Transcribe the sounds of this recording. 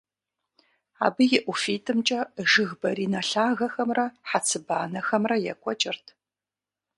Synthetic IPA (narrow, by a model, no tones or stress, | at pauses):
a̰ːbɨjɪʔʷʊfiːtʰɨmt͡ʃʼɐʒɨɣbɐɾiːnɐɬaːɣɐxɐmrɐħat͡sʰɨbaːnɐxɐmrɐjɛ̰kʷʼɔt͡ʃʼɪrtʰ